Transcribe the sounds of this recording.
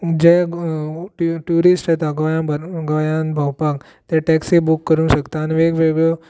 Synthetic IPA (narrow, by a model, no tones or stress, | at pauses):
d͡ʑe | ʈuɾisʈət̪aɡajãɡajãnbʱawpak | t̪ɛ̃ʈɛksibukːəɾũːʃəkt̪anʋeɡʋeɡɭo